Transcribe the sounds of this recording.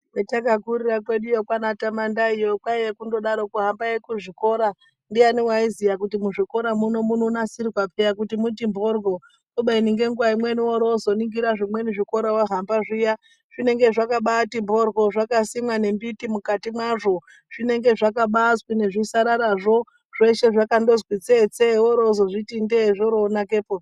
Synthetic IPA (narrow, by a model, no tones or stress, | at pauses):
wetakakuɾirakwe̞ɗujokwanatamandaijokwaijekundo̞ɗaɾo̞kuɦambajekuʐiko̞ɾa | ndianiwaizijak̬utimuʐiko̞ɾamunomunonasirwapejak̬utimutimbo̞rɡʱo̞ | toɓainiŋɡe̞ŋɡuwaimwe̞niwoɾozo̞niŋɡiɾaʐimwe̞niʐiko̞ɾawaɦambaʐija | ʐ̥ine̞ŋɡe̞ʐakaɓatimbo̞rɡʱo̞ʐakasimwane̞mbitimukatimwaʐo̞ | ʐ̥ine̞ŋɡe̞ʐakaɓaswine̞ʐisaɾaɾaʐo̞ | ʐ̥eʃe̞ʐakando̞zwit͡set͡sewoɾozoʐitindeʐoɾoːnake̞po